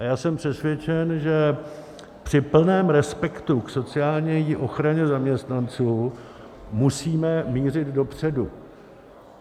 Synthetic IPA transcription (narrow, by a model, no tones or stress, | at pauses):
ajaːsɛmpr̥ɛsvjɛt͡ʃɛnʒɛ | pr̝̥ɪpl̩nɛːmɾɛspɛkt̪ukso̞t͡sɪaːlɲɛjiʔo̞xɾaɲɛzamɲɛst̪nant͡suː | musiːmɛmiːrɪd̪do̞pr̝̥ɛdu